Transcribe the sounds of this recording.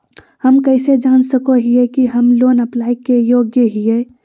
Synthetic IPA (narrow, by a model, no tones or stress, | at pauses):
hɐmkɐɪsed͡ʒaːnsəkoɦiekiɦɐmloːnɐplaːikejoːɡjəɦieː